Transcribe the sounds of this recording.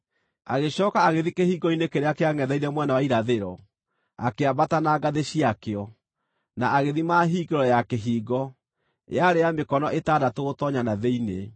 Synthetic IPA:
aɣeɕɔːkaːɣeðikehiːɡɔinekeɾeakeaŋɛðaiɾɛmwɛnawaiɾaðeɾɔ | akeabatanaːɡaðeɕiakeɔ | naʔaɣeðimaːɦiːɡeɾɔjakeɦiːɡɔ | j̰aɾeamekɔnɔʔetaːdatoɣotɔɲanaðeinḛ

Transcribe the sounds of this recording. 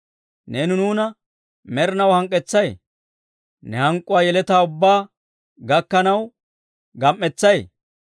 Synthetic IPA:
nɛnʊnuːnɐ | mɛɾnɐwhɐŋkʼːɛt͡sːɐj | nɛhɐŋkʼːʊwaːjɛlɛt̪aːʊbːaː | ɡɐkːɐnɐw | ɡɐmʔːɛt͡sːɐj

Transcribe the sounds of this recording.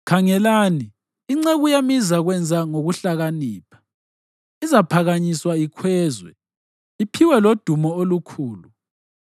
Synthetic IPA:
kʰaŋɛlaːniː | ŋ͡ǀeɣujamizaɣwɛnd͡zʱaŋoɣuɬaɣaniːpʰḁ | izapʰaɣaɲiswaikʰwɛːzwɛ̰ | ipʰiwɛlod̥ʱumɔolukʰuːlu

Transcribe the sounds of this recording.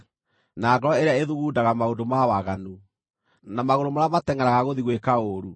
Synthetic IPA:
naɡɔɾɔeɾeaeðuɣuːdaɣamaodomawaɣanu | namaɣoɾomaɾamatɛŋɛɾaɣaɣoðiɣwekaoɾu

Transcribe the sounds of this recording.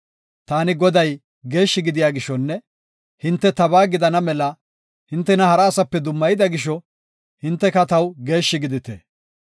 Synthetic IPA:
t̪aːnɪɡɔd̪ɐj | ɡe̞ːʃːɪɡɪd̪ɪjaːɡɪʃːɔnːɛ | hɪnt̪ːɛt̪ɐbaːɡɪd̪ɐnɐmɛlɐ | hɪnt̪ːɛnɐhɐɾɐːsɐpːɛd̪ʊmːɐjɪd̪ɐɡɪʃːɔ | hɪnt̪ːɛkɐt̪ɐwɡe̞ːʃːɪɡɪd̪ɪt̪ḛː

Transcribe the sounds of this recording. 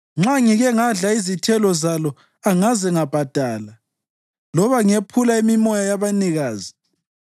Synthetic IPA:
ŋ͡ǁaŋiɣɛŋaɮaizitʰɛlɔzalɔ | aŋazɛŋab̥ʱad̥ʱaːla | lɔβaŋepʰulaimimɔjajaβaniɣaːzi

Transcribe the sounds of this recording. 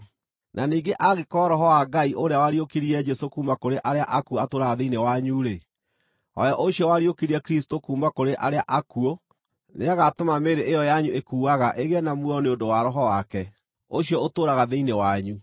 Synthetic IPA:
nʔaniːŋɡeʔaɣekɔɾɔɦɔwaɡaiʔoɾeawaɾiokiɾiɛd͡ʒɛsokuːmbakoɾeʔaɾeaʔakuoatoːɾaɣaðeinewaɲuɾe | ɔ̰jɔʔoɕiɔwaɾiokiɾiɛkɾisi̥tokuːmbakoɾeʔaɾeaʔakuo | neaɣatomameɾeʔejɔjaɲuʔekuːaɣaʔeɣɛnamwɔneondowaɾɔɦɔwakɛ | oɕjɔotoːɾaɣaðeinewaɲu

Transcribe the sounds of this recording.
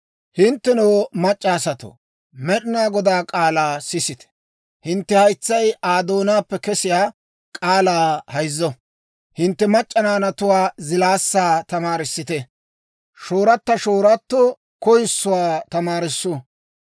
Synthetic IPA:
hɪnt̪ːɛnoːmɐt͡ʃʼːaːsɐt̪o̰ | mɛɗɪnaːɡɔd̪aːkʼaːlaːsɪsɪt̪ɛ̥ | hɪnt̪ːɛhɐjt͡sːɐjaːd̪oːnaːpːɛkɛsɪjaː | kʼaːlaːhɐjzːɔ | hɪnt̪ːɛmɐt͡ʃʼːɐnaːnɐt̪ʊwaːzɪlaːsːaːt̪ɐmaːɾɪsːɪt̪ɛ | ʃoːɾɐt̪ːɐʃoːɾɐt̪ːo | kɔjɪsːʊwaːt̪ɐmaːɾɪsːʊ

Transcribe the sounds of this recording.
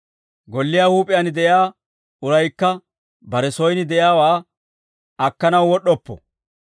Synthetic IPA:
ɡɔlːɪjaːhuːpʼɪjɐnɪd̪ɛjaː | ʊɾɐjkːɐ | bɐɾɛsɔjnɪd̪ɛʔjaːwaː | ɐkːɐnɐwwɔɗːɔpːɔ̰

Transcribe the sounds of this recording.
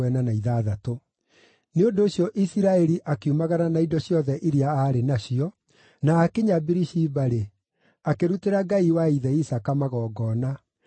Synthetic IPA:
ɛnanaiðaːðato | neondoːɕjɔʔisiɾaɛɾiʔakeumaɣananaidɔɕjɔðɛʔiɾiaaɾenaɕiɔ | naːkeɲabiɾiʃibaɾe | akeɾuteɾaɡaiwaiðɛisakamaɣɔːɡɔːna

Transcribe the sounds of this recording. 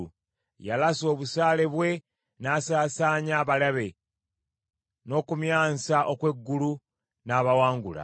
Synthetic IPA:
jalaso̞ːβusaːle̞βwe̞ | naːsaːsaːɲaːβalaβe̞ | no̞ːkumjaːnst͡saʔokwe̞ɡːulu | naːβawaːŋɡula̰

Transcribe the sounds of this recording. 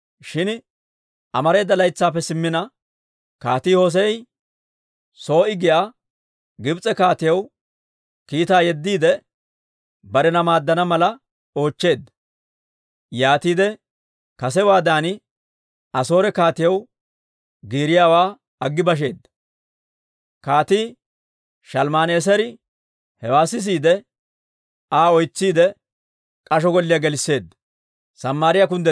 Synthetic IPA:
ʃɪn | ʔɐmɐɾe̞ːd̪ːɐlɐjt͡sːaːpːɛsɪmːɪnɐ | kaːt̪ɪhoːs̬ɛj | so̞ːʔɪɡɪjaː | ɡɪbt͡sʼɛkaːt̪ɪjɐw | kiːt̪aːjɛd̪ːiːd̪ɛ | bɐɾɛnɐmaːd̪ːɐnɐmɐlɐ | o̞ːt͡ʃːe̞ːd̪ːɐ̥ | jaːt̪iːd̪ɛ | kɐsɛwaːd̪aːnɪ | ɐso̞ːɾɛkaːt̪ɪjɐw | ɡiːɾɪjaːwaː | ɐɡːɪbɐʃ̬e̞ːd̪ːɐ | kaːt̪iː | ʃɐlmaːne̞ːs̬ɐɾɪ | hɛwaːsɪs̬iːd̪ɛ | aːɔjt͡sːiːd̪ɛ | kʼɐʃɔɡɔlːɪjɐɡɛlɪsːe̞ːd̪ːɐ̥ | sɐmːaːɾɪjɐk̬ʊnd̪ɛ

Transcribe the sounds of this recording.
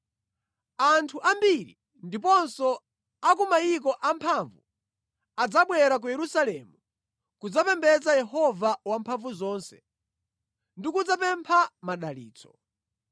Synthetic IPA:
antʰuʔambiɾḭ | ndip̬ɔnsɔ | akumaik̬ɔʔampʰaɱvṵ | ad͡zaɓwɛɾak̬ujɛɾusalɛmu | kud͡zapɛmbɛd͡zajɛɦɔvawampʰaɱvuzɔːnsɛ | ndikud͡zapɛmpʰamaɗalḭːt͡sɔ̥

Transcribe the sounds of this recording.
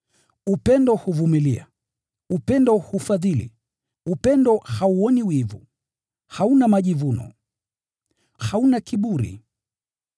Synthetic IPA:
upɛndɔhuvumilia̰ | upɛndɔhufaðilḭ | upɛndɔhauɔniwivu | haunamaʄivunɔ̰ | haunakiɓuɾḭ

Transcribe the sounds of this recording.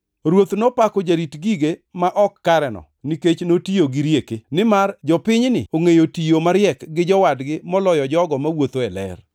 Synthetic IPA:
ɾwot̪nɔpakɔd͡ʒaɾitɡiɡemaʔɔkːaɾɛnɔ̰ | niket͡ʃnotijoɡiɾjekenɪmard͡ʒɔpɪɲnɪ̰oŋejotijomaɾjɛkɡɪd͡ʒɔwadɡɪmɔlɔjɔd͡ʒɔɡɔmawot̪oɛlɛ̰r

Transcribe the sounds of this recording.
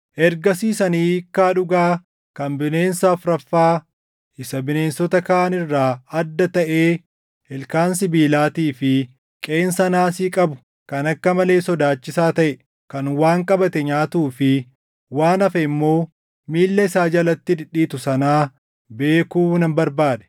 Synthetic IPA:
ʔɛɾɡɐsiːsɐniːkːaːᶑʊɡaː | kɐnbɪne̞ːnsaːfɾɐfːaː | ɪsɐbɪne̞ːnsɔt̪ɐkɐaːnɪrːaːɐd̪ːɐt̪ɐʔeː | hɛlkaːns̬ɪbiːlaːt̪iːfɪ | kʼe̞ːnsɐnaːsiːkʼɐbʊ̥ | kɐnɐkːɐmɐle̞ːsɔd̪aːt͡ʃːɪsaːt̪ɐʔɛ | kɐnwaːŋkʼɐbɐt̪ɛɲaːt̪uːfɪ | waːnɐfɐɪmːo̞ː | miːlːɐɪsaːd͡ʒɐlɐt̪ːɪd̪ɪᶑːiːt̪ʊsɐnaː | be̞ːkuːnɐmbɐɾbaːdɛ̥

